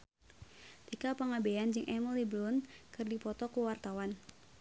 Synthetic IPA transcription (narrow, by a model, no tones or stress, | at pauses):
t̪ikapəŋabeand͡ʒɨŋʔɛməliblʊnkɨrdipɔt̪ɔkuwart̪awan